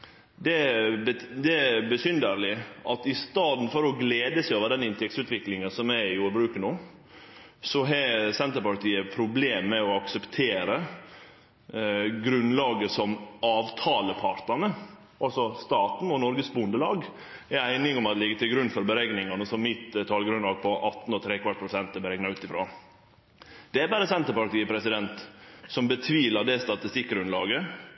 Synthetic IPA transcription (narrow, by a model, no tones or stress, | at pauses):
d̪ɛəd̪ɛbəsʏnd̪əɾlɪʔɑt̪ɪst̪ɑːd̪n̩fɔɾɔɡleːd̪əsɛoːʋəd̪ɛnɪnt̪ʰɛkt̪sʉːt̪ʋɪklɪŋənsɔmæɪɪjuːɾbɾʉːkənoː | sɔɦɛsɛnt̪əɾpɑɾt̪ʰiːəpʰɾʊbleːmːɛɔɑksəpt̪ʰeːɾə | ɡɾʉnlɑːɡəsɔmɑːʋt̪ʰɑːləpʰɑɾt̪nɑnə | ʔɑlsɔst̪ɑːt̪n̩ɔnɔɾɡəsbʊnd̪əlɑːɡ | ɛæɪnɪŋɔmɑt̪lɪɡːət̪ʰɪlɡɾʉnːfɔɾbəɾɛɡnɪŋɑnəsɔmmɪt̪t̪ʰɑːlɡɾʉnlɑːɡ̚pʰɔʔɑt̪n̩ɔt̪ʰɾɛːkʋɑʈ̚pʰɾʊsɛnt̪ɛbəɾɛɡnɑʉːt̪ɪfɾɑ̰ː | d̪̥ɛæɾbæːɾəsɛnt̪əɾpɑɾʈ̪iːəpʰɾɛsɪd̪ɛnt̪sɔmbət̪ʰʋiːlɑɖ̪ɛst̪ɑt̪ɪst̪ɪkːɡɾʉnlɑːɡə